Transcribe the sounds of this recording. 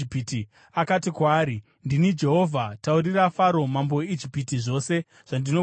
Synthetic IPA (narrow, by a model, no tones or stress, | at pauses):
piti | akatikwaːɾi | ndinid͡ʒe̞ɦo̞vʱatauɾirafaɾo̞mambo̞jeid͡ʒipitiʐo̞ːse̞ | ʐ̥andino